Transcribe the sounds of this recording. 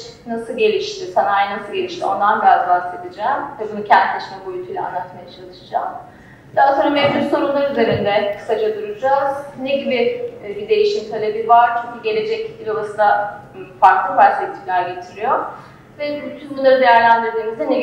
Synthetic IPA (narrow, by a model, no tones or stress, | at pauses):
nasɯlˠɟe̞lʲiʃt̪ʰisanajnasɯlˠɟe̞lʲiʃt̪ʰio̞nd̪anbijazbahse̞d̪id͡ʒɛːmvɛbunucʰæntd̪lʲeʃinɛbuylʲt̪ʲʰulʲɛ̰a̰nˠat̪majat͡ʃʰalˠɯʃɯd͡ʒa̰ːm | d̪aat̪ɯɾamɛvd͡ʒyɾso̞ɾunlˠaɾyze̞ɾind̪ɛkʰɯ̥sad͡ʒad̪uɾud͡ʒaz̥neɟibʲibid̪e̞jiʃimt̪ʰalʲe̞bivaɾt͡ʃʰyɲcʰyɟe̞lʲe̞d͡ʒɛc̚biɾolˠasɯnd̪d̪a | faɾklˠɯfalt̪vet̪ʰimlʲæɾɟe̞t̪ʰiɾijo | vɛbyt̪ʰynbunlˠaɾɯd̪e̞jæɾlʲænd̪iɾd̪iːmizd̪ɛne